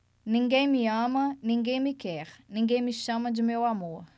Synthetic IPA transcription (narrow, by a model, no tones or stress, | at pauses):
nĩŋɡejmiamɐnĩŋɡejmikɛɾnĩŋɡejmiʃamɐd͡ʒimewamoɐ